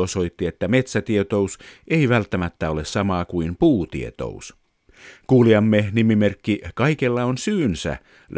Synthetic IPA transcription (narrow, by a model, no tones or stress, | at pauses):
oso̞it̪ːiet̪ːæme̞t̪sæt̪iet̪o̞usʔe̞iʋælt̪ːæmæt̪ːæo̞lessɑmɑːkuimpuːt̪ḭḛt̪o̰us | kuːliɑmːenimimerkːikɑikelːɑonsyːnsæ̰